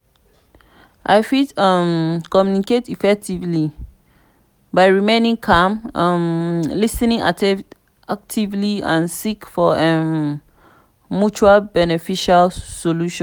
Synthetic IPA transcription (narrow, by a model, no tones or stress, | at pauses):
ʔa̰ɪfidʌmkɔmjuniketifɛk̚tivli | baɪɹimẽnĩŋkʰãmmlisnĩŋʔa̰tɛ | ak̚tʰivliã̰nsikfɔɛ | mjut͡ʃualbɛnɛfiʃalsoluʃɔ̃n